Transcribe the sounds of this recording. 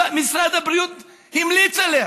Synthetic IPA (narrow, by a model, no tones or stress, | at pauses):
amisɾad̪ɐbɾijut̪ | himlit͡sɐle